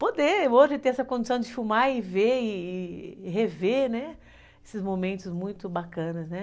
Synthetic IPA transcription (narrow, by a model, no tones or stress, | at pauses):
pod̪eoʒɪt̪ẽj̃ɛsɐkõd͡ʒɪsɐ̃w̃d͡ʒɪfumaɪveɪːɦevenɛ | esɪzmomẽnt̪ʊzmũj̃t̪ʊbakɐ̃nɐznɛ